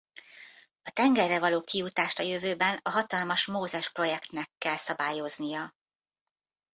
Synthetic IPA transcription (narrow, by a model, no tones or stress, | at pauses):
ɒt̪ɛŋɡɛrːɛvɒloːkijut̪aːʃt̪ɒjøvøːbɛnɒɦɒt̪ɒlmɒʃmoːzɛʃpro̞jɛkt̪nɛkːɛlsɒbaːjo̞znijɒ